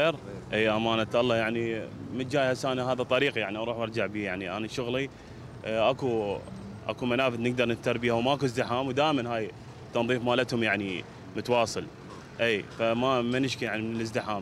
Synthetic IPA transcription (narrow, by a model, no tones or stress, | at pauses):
eːɾʔiːʔamaːnat̪ʔɑlˤːɑjaʕnimɪnd͡ʒaːjhasaːnaɦaːðat̪ˤɑɾiːqijaʕniʔɑɾˤuːħʔɑɾˤd͡ʒaʕbiːjaʕniʔa̰naʃʊɣli | ʔaku | ʔa̰kumanaːfɪd̪nɪɡ̚d̪ɑɾˤnɪft̪ːɑɾˤbiːhawmaʔakuzd̪ɪħaːmwd̪aːʔmanɦaːj | t̪ɑnðˤiːfmaːlat̪hʊmjaʕni | mʊt̪wɑːsˤɨl | ʔiːfamamɪnɪʃkijaʕnimɪnɪləzd̪ɪħaːm